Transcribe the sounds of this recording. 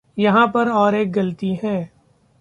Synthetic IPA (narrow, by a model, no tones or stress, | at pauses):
jɐɦãpɐɾɔːɾeːk̚ɡɐlt̪iɦɛ̃ː